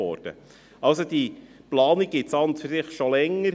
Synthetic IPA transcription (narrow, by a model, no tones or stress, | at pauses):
ɔ̰ːɾd̥ə̰ | ɑlsod̥̪iplɑːniɡ̚ɡ̥ɪt̪sɑnt̪fɪɾsɪχʃolɛŋːəɾ